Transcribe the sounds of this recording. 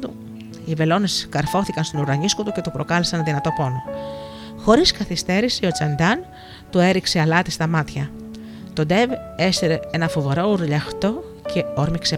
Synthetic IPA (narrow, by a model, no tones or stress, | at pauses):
t̪u | ive̞lo̞ne̞skɐɾfo̞θikɐnst̪onuɾɐɲiskot̪uce̞t̪upɾo̞kɐlesɐnðinɐt̪o̞po̞no | xo̞ɾiskɐθist̪e̞ɾisio̞t͡sɐnd̪ɐn | t̪ue̞ɾikse̞ɐlɐt̪ist̪ɐmɐt̪çɐ | t̪o̞d̪e̞ve̞seɾee̞nɐfo̞ve̞ɾo̞uɾʎɐxt̪o̞ | cʰe̞oɾmikse